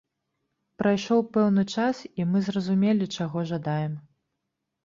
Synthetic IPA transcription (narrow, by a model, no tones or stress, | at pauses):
pɾʔajʂɔwpɛwnɨt͡ʂasimɨzrɐzumʲɛlʲit͡ʂaɣɔʐad̪ajɛm